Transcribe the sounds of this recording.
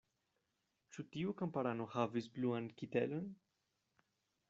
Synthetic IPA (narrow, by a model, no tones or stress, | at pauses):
t͡ʃut̪iukampaɾanuhavisbluankit̪ɛ̰lən